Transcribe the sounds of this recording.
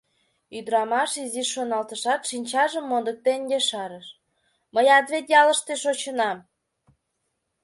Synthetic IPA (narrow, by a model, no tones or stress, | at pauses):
yd̪ɾɑmɑʃiziʃːonɑlt̪əʃɑt̪ʃinʲt͡ɕɑʒəmːond̪ək̚t̪enɡeʃɑɾəʃ | məjɑd̪βet̪jɑləʃt̪eʃot͡ɕə̆nɑm